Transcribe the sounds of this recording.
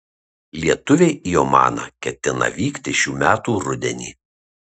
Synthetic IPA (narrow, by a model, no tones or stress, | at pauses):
lʲiɛt̪ʊʋʲeːijoːmɑ̰ːnɐ̰kʲɛt̪ʲɪnɐ̰ʋʲiːkt̪ʲɪʃʲuːmʲæːt̪uːɾʊd̪ʲɛnʲḭː